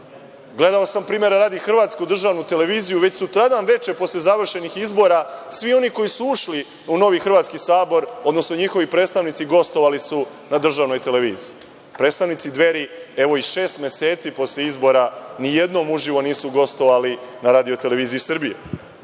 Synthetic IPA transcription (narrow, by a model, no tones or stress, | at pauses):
ɡle̞d̪aosampɾiːmje̞ɾaɾaːd̪ixr̩ʋaːt̪skud̪r̩ʒaːʋnut̪e̞le̞ʋiːzijuʋet͡ɕsut̪ɾad̪anʋe̞t͡ʃe̞po̞slezaʋr̩ʃe̞nixizbo̞ɾasʋio̞niko̞jisuuʃli | uno̞ʋixr̩ʋaːt̪skisaːbo̞ɾo̞d̪no̞sno̞ɲixo̞ʋipɾe̞ːt̪st̪aʋnit̪siɡo̞st̪o̞ʋalisu | nad̪r̩ʒaːʋno̞jt̪e̞le̞ʋḭːzii | pɾe̞ːt̪st̪aʋnit̪sid̪ʋe̞ɾie̞ʋo̞iʃe̞ːst̪mʲe̞se̞ːt̪sipo̞sʎeizbo̞ɾanije̞d̪no̞muʒiʋo̞niːsuɡo̞st̪o̞ʋalinaɾaːd̪io̞t̪e̞le̞ʋiːzijisɨr̩bije